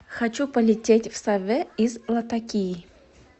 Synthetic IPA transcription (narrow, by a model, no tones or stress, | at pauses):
xat͡ɕupəlʲɪtʲetʲfsavʲɛizlˠɐt̪ɐkʲiji